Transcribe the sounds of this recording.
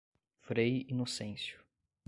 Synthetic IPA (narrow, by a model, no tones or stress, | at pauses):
fɾejinosẽsjʊ̥